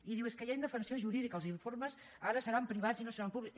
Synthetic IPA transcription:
iðiweskəjajnd̪əfənsioʒuɾiðikəlˠziɱforməs | aɾəsəɾampɾiβ̞ad͡zinosəɾampuβlik

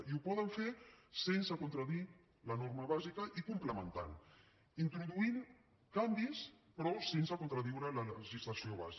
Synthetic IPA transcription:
iupɔðəɱfesensəkunt̪ɾəði | lənoɾməβazikəʔikumpləmənt̪a̰n | int̪ɾuðuin | kambis | pɾɔsensəkont̪ɾəðiwɾələləʒizləsioβa̰zi

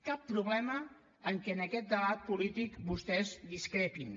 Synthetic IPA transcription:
kapːɾuβlɛməː | ŋkɛənəkɛt̪̚d̪əβ̞at̪̚pulit̪ikbust̪ɛzd̪iskɾepin

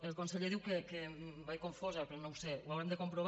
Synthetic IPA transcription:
elˠkonseʎeðiwkekebajkoɱfozapɾonõwsewawɾemd̪əkompɾoβ

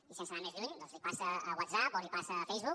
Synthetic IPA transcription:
isẽnsənamezluɲd̪ɔ̃nzlipasəːwat̪zapolipasəːfejzβu

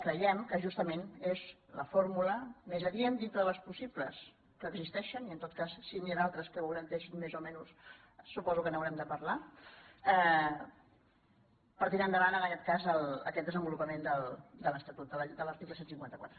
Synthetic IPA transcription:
kɾəjɛmkəʒust̪əmenez | lə̰foɾmuləmezəðiend̪int̪ɾəðələspusipləs | kəːɡzist̪ɛʃəniənt̪ot̪kasːinianalˠt̪ɾəskəβəwɾənt̪ɛʃinmezomɛnus | supɔzukənəwɾɛmd̪əpəɾla | ɛ | pəɾt̪iɾand̪əβanənəkɛt̪̚kazələ̰kɛt̪̚d̪əzəmbulupəmend̪əlˠd̪ələst̪ət̪ut̪̚d̪əld̪ələɾt̪ikləsensiŋkwant̪əkwat̪ɾə

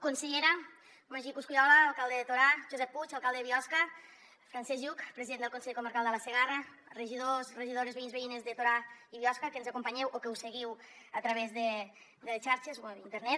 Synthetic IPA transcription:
kunseʎeɾa | maʒikuskuʎɔlaːlˠkalˠd̪eðet̪oɾaʒuzɛpːut͡ʃalˠkalˠd̪eβiɔska | fɾansɛzʒukpɾeziðend̪əlˠkunseekuməɾkalˠd̪əlaseɣara | rəʒiðosreʒiðoɾezβeinzβeinezðət̪oɾaiβiɔskakənzakumpaɲɛwʔokewseɣiw | at̪ɾaβezðe | d̪əlet͡ʃaɾt͡ʃezβint̪əɾnɛt̪

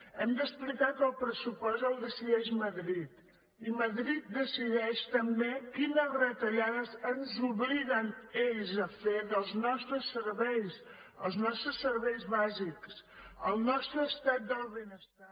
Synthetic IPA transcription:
ɛmd̪əsplikaɾkəlˠpɾəsupɔst̪əlˠðəsiðɛʒməðɾit̪ | iməðɾit̪̚d̪əsiðɛʃt̪əmbekinərət̪ɐʎaðəzənzuβliɣəneʎzəfeðəlˠznɔst̪ɾəsːəɾβɛjs | əlˠznɔst̪ɾəsːəɾβɛjzβaziksəlˠnɔst̪ɾəːst̪ɛt̪̚d̪əlˠβenəst̪a

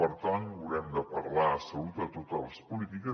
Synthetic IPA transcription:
əɾt̪anuɾɛmd̪əpəɾlaəsəut̪ət̪ot̪əlˠspulit̪ikə

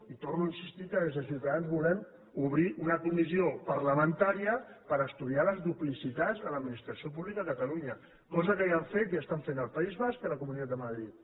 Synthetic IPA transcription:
it̪ornuinsist̪ikəðezəsiwt̪aðanzβulɛm | uβ̞ɾiʔunəkumiziopəɾləmənt̪aɾiəpəɾəst̪uðialəzðuplisit̪ad͡zðələd̪minist̪ɾəsiop̬uβlikaðəkət̪əluɲə | kɔzəkəjaɱfet̪jast̪aɱfenəlˠpaizβaskiləkumunit̪at̪d̪əməðɾit̪

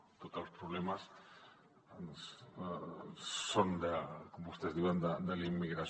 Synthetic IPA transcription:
t̪ot̪alspɾuβlemas | ns | sond̪əkombust̪ezd̪iwand̪əd̪əlimːiɣɾas

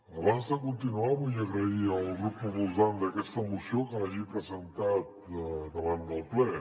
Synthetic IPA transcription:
ɐβast̪əkunt̪inuamuzaɣɾəialˠɡɾupuvuzand̪ɐkɛst̪əmusjokaʒipɾəzənt̪at̪̚d̪əβand̪əlˠplɛ

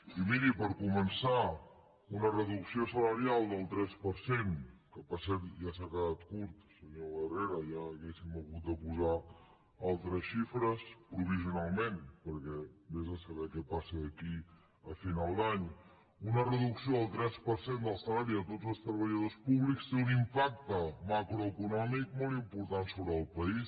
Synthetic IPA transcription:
imiɾipəɾkumənsa | unərəðuksiosələɾialˠd̪əlˠt̪ɾɛspəɾsenkəpəsɛɾt̪ʒasakəðat̪kuɾt̪səɲoβəreɾəjaːɣesiməβut̪̚d̪əpuza | alˠt̪ɾəsʃifɾəspɾuβ̞iziunalˠmenpəɾkɛbezəsəβɛkɛpasəðəki | əfinalˠd̪aɲ | unərəðuksioəlˠt̪ɾɛspəɾsend̪əlˠsəlaɾiət̪otzəlˠst̪ɾəβ̞əʎəðospuβlikst̪eunimpak̚t̪əmakɾoəkunɔmik̚molˠt̪impuɾt̪ansoβɾəːlˠpəis

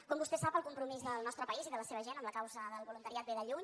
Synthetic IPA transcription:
kɔmbust̪ɛsapəlˠkumpɾumizðəlˠnɔst̪ɾəpəiziðələseβ̞əʒenəmləkawzəðəlˠβulunt̪əɾiat̪̚beðəʎuɲ

